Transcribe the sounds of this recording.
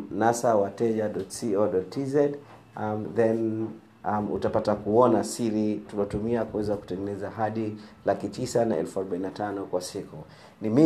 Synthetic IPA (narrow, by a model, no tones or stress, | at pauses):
nasawatɛʄaɗɔtsiɔɗɔtizɛd | mðɛn | mṵtapatakuɔnasiɾitulɔtumiakuwɛzaku̥tɛŋɡɛnɛzahaɗilakitisanaɛ̰lfuaɾɔɓaininatanɔkwasiku | nimi